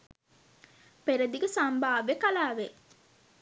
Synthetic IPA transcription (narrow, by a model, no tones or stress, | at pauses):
peɾed̪iɡesambaːʋekalaːʋe